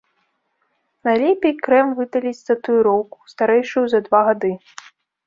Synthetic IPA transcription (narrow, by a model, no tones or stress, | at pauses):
nalʲɛpʲɛjkɾɛmvɨd̪ɐlʲit͡sʲsɐt̪ujuɾɔwku̥st̪aɾɛjʂɨjuzɐd̪vaɣad̪ɨ